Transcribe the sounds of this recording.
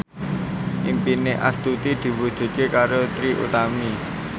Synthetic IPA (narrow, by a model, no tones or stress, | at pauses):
ʔimpineʔa̰st̪ut̪id̪̥i̤wud̥ʒ̥ṳt̪̚kekaɾot̪ɾiʔṵt̪ami